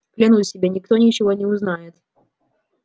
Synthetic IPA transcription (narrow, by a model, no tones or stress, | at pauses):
klʲɪnusʲɪbʲenʲɪkt̪onʲɪt͡ɕɪvonʲɪʊznajɪt̪